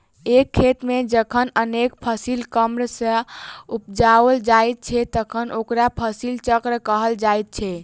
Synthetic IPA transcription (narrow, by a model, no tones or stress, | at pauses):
ekʰːet̪med͡ʒəkʰənənekpʰəsilkəmɾəsə̃upd͡ʒaəld͡ʒajt̪̚t͡ʃʰɛt̪əkʰənʔokɾapʰəsilt͡ʃəkɾkəɦəld͡ʒajt̪̚t͡ʃʰɛ